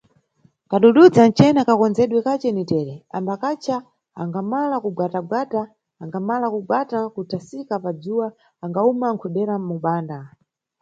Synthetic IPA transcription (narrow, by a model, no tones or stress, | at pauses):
kaɗuɗud͡zant͡ʃɛnakakɔnzɛɗwɛkat͡ʃɛnitɛːɾɛambakat͡ʃʰa | aŋɡamalakuɡwataɡwataː | ŋɡamalakuɡwatakutʰasikapad͡zuwaː | ŋɡaumaŋkʰuɗɛɾamuɓaːnda